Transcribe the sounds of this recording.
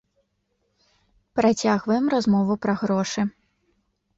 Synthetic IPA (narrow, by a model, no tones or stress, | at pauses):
pɾat͡sʲaɣvɐjɛmrazmɔvupɾɐɣɾɔʂɨ